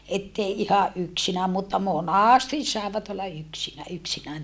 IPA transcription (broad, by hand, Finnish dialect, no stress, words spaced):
etːei ihɑʔ ʔyksinæːm mutːɑ monɑˑstis sɑˑeʋɑt olːɑ yksinæ yksinæːn